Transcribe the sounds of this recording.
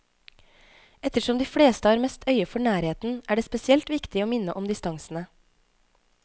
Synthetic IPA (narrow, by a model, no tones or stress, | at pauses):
ɛt̪əʂɔmd̪iːfɽeːst̪əæːɾmɛst̪ʰœʏəfɔɳæːɾheːt̪n̩ʔæːɖeːspɛsɪɛlt̪ʋɪkt̪ɪoːmɪnəʔɔmd̪ɪst̪ɑŋsn̩ə